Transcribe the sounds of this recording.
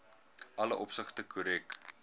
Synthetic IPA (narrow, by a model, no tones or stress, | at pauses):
ɐləʔɔpsəχtəkʰuɾɛk